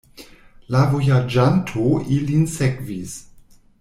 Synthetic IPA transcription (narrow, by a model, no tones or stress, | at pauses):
lavojad͡ʒantʰoilinsekvis